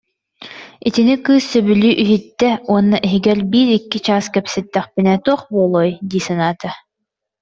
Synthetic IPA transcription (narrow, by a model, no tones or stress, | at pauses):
it̪inikɯːsːœbylyːʔyɦit̪ːɛuɔnːaʔiɦiɡɛlbiːɾikːit͡ɕaːskɛpsɛt̪ːɛχpinɛːt̪uɔχbuːlˠɔːjd̪iːsɛnaːt̪a